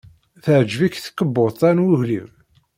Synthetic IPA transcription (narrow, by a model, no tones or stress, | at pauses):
θəʕd͡ʒvikθə̥kːəbːot̪ˤænwʊʝlim